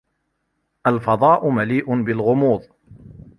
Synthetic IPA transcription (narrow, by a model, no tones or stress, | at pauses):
ʔalfɑd̪ˤɑːʔʊmaliːʔʊbɪlɣʊmuːðˤ